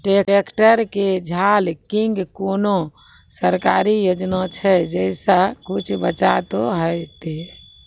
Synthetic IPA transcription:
ʈeekʈəɾked͡ʒʱalkiŋɡkono | səɾkaɾijod͡ʒnat͡ʃʰɛd͡ʒɛsakut͡ʃʰbət͡ʃat̪oɦət̪e

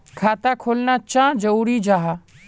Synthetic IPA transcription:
kʰaːt̪akʰoːlnat͡ʃãːd͡ʒəuːɾid͡ʒaːɦa

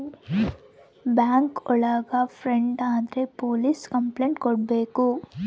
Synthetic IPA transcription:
baːŋkɔɭɐɡafʰɾeɳɖaːd̪ɐɾepoːliskɐmpleːɳʈkɔɽbe̞ːku

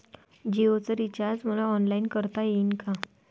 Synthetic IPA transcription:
d͡ʑeʋot͡səɾit͡ɕaɾd͡zm̤əlaɔnlainkəɾt̪ajeinka

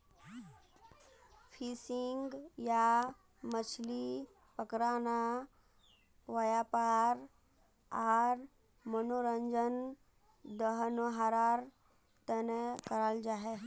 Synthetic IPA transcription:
pʰisiŋɡja | mət͡ʃʰli | pəkɾaːna | ʋəjapaːɾ | aɾ | mənoɾəɲd͡ʒən | d̪əɦnoɦaɾaːɾ | t̪ənekəɾald͡ʒaɦe

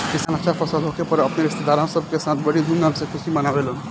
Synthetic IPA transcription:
kist̪ənat͡ʃaɾpəsəlɦokepəɾəpneɾɪst̪ʰed̪aɾɦə̃msəb̚ʱkesãt̪ʰbəɽid̪ʱunɦəmsẽkʰusimənabelɦun

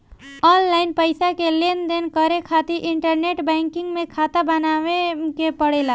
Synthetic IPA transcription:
ɔnlaɪnpəɪsakelend̪enkəɾekʰat̪iɾʔɪɳʈəɾneʈbɛ̃ŋkɪŋɡmẽkʰaːt̪abənaʋekepəɽela

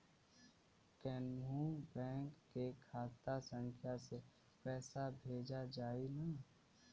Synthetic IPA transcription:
kɛːnũbɛ̃ːŋkːekʰaːt̪asə̃ŋkʰjase | pɛːsabʱeːd͡ʒad͡ʒaːina

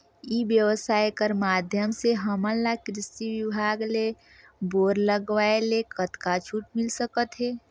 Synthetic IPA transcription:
ibjəʋəsaːjkəɾmaːd̪ʱjəmseɦəmənlakɾɪsiʋɪibʱaːɡle | boːɾləɡʋaelekət̪kat͡ʃʰuːʈ̚mɪlsəkət̪ɦɛː

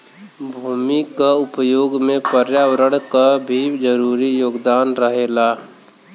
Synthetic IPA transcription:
bʱuːmikaʊpəjoːɡmẽpəɾjawɾəɽkabʱid͡ʒəɾuːɾijoːɡd̪aːnɾəɦeːla

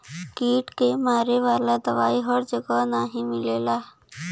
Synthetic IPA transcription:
kiːʈkemaːɾeʋaːlad̪ɐʋaːiɦɔːɾd͡ʒɐɡanaːɦĩmɪleːlaː

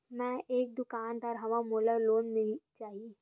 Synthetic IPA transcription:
mɛ̃ʔeːk̚d̪ʊkaːnd̪aːɾɦɐʋamoːləloːnmɪlt͡ʃaːɦi

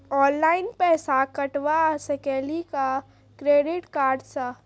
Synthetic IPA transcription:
ɔːnlaːɪnpɛːsakəʈʋasəkɛːlika | kɾeːɖɪʈkaːɾɖsa

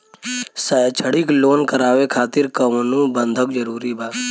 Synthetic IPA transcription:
sət͡ʃʰəɽikloːnkəɾaːʋekʰaːt̪ɪɾkəmnũːbənd̪ʱəkd͡ʒəɾuːɾibaː

